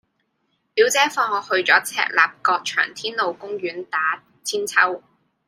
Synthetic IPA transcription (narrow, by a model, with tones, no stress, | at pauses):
pi˨˥wt͡sɛː˨˥fɔː˧ŋɔː˨˧hɵ˧ɥt͡sɔː˨˥t͡sʰɛ̰ː˧k̚la̰ː˨p̚kɔː˧k̚t͡ʃʰœ̰ː˨˩ŋt̪ʰiː˥nlo˨wkʊ˥ŋɥyː˨˥nt̪aː˨˥ | t͡sʰiː˥nt͡sʰɐ˥w